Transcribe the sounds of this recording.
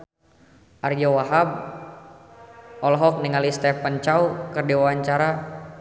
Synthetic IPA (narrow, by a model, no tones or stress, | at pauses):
ʔard͡ʒawaɦab̚ | ɔlɔɦɔk̚niŋalist̪ɛpənt͡ʃaukərdiwawaɲt͡ʃaɾa